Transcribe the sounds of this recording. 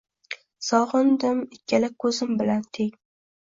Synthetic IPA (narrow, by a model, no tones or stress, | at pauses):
sɒʁɨnd̪ɪmɪkʲʰːalakʰɵzɪmbɪlant̪ʰeŋ